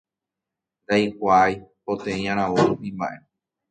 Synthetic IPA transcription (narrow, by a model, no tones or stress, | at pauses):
nd̪ajkʷaːjpot̪ẽjãɾ̃ãʋoĩmbã̰ʔe̞